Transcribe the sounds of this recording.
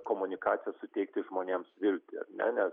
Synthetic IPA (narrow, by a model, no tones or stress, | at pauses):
koːmʊnʲɪkɑːt̪sʲɪjɛsʊt̪ʲɛɪk̚t̪ʲɪʒmoːnʲeːmsʋʲɪlʲt̪ʲɪɐ̰ɾnʲɛ̰nʲɛs